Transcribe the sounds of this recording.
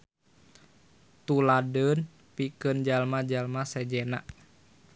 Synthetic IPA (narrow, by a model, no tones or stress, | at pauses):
t̪uladən | pikənd͡ʒalmad͡ʒalmasɛd͡ʒɛnaʔ